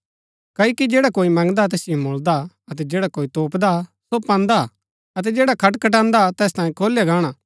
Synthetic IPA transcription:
kɐikid͡ʒeːɽakoːimɐ̃ŋɡd̪at̪ɛːsɪjõmoːld̪a | ɐt̪ɛd͡ʒeːɽakoːit̪oːpd̪asopãːnd̪a | ɐt̪̬ɛd͡ʒɛːɽakʰɐʈkʰɐʈ̬ãːnd̪at̪ɛːs̬t̪aːjĩkʰoːljaɡaːɽ̃aː

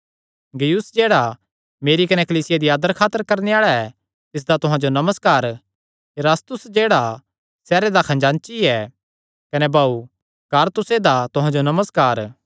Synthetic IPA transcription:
ɡɐjʊsd͡ʒeːɽa | meːɾikɐnɛkɐliːsɪjad̪iaːd̪əɾkʰaːt̪ːəɾkɐɾneaːɭaɛ | t̪ɪs̬d̪at̪ʊɦãd͡ʒonɐməskaːɾ | ɾaːst̪ʊsd͡ʒeːɽa | sɛːɾed̪akʰɐ̃nd͡ʒãːnt͡ʃiɛ | kɐnɛbaːu | kaːɾt̪ʊsed̪at̪ʊɦãd͡ʒonɐməskaːɾ

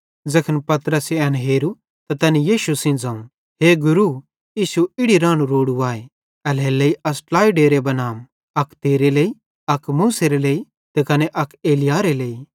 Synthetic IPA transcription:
d͡zɐkʰənpɐt̪ɾəseɛːnɦeːɾu | t̪ɐt̪ɐnijiːʃusɪ̃nd͡zãːũ | ɦeːɡʊɾu | jiːsuɪɽiɾãːɽ̃ũɾoːɽuaːe | ɛleleːiɐsʈlaːiɖeːɾebɐnaːm | ɐkt̪eːɾeleːi | ɐkmuːseɾeleːi | t̪ekɐneʔɐkeːlɪjaːɾeleːi

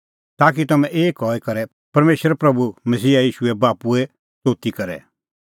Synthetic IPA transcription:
t̪aːk̬it̪ɐmɛ̃ʔeːkɔːɛkɐɾɛ | pɐɾmeːʃɾɛpɾɐbumɐsiːajiːʃuɛbaːpuɛ | t͡soːt̪ikɐɾɛ̰

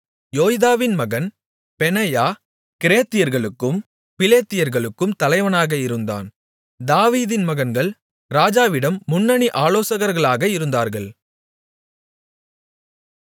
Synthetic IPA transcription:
joːjðaːʋɪnmɐɣɐn | pɛnɐjaː | kɪɾeːt̪ːɪjɐɾɣɐɭɯkːɯm | pɪleːt̪ːɪjɐɾɣɐɭɯkːɯmt̪ɐlɐɪʋɐnaːɣɐɪɾɯnd̪a̰ːn | d̪aːʋiːðɪnmɐɣɐnɡɐɭ | ɾaːd͡ʒaːʋɪɽɐmːʊnːɐɳiʔaːloːsɐɣɐɾɣɐɭaːɣɐɪɾɯnd̪aːɾɣɐɭ

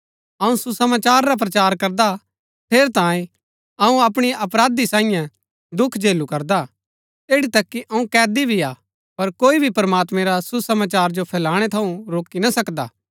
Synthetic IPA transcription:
ɐũsusɐmaːt͡ʃaːɾːap̬ɾɐt͡ʃaːɾkɐɾd̪a | p̪ʰeːɾt̪ãːĩ | ɐũɐp̬ɽ̃iʔɐpɾaːd̪isãːɪjã | d̪ʊkʰd͡ʒeːlukɐɾd̪a | eːɽit̪ɐkːiʔɐũkɛːd̪ibʱia | pɐɾkoːibʱipɐɾmaːt̪mẽɾasusɐmaːt͡ʃaːɾd͡ʒopʰɛːlaːɽ̃et̪ʰɐũɾoːkinasɐkd̪a̰ː

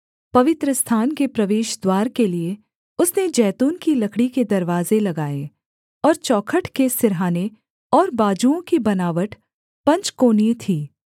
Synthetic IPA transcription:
pɐʋɪt̪ɾəst̪ʰaːnkepɾɐʋeːʃd̪waːɾkelie | ʊsned͡ʒɛːt̪uːnkilɐkʰɽiked̪ɐɾʋaːzelɐɡaːe | ɔːɾt͡ʃɔːkʰəʈkesɪɾɦaːne | ɔːɾbaːd͡ʒuõkibɐnaːʋəʈ | pɐ̃ɲt͡ʃkoːnit̪ʰiː

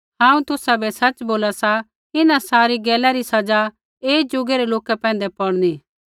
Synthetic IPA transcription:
ɦãːũt̪ʊsabɛsɐt͡ʃboːlasa | ɪnãsaːɾiɡɛːlaɾisɐd͡ʒa | eːd͡ʒʊɡeɾeloːkɛpɛ̃ːn̆d̪epɔɽniː

